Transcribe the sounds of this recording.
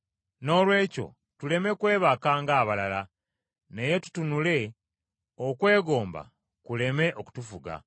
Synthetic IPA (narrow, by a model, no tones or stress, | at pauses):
no̞ːlwe̞ːco̞̰ | tule̞me̞kwe̞ːβakaːŋɡaːβalala | ne̞je̞tu̥tunule̞ | okwe̞ːɡo̞ːmba̰ | kule̞me̞ʔoku̥tufuɡa̰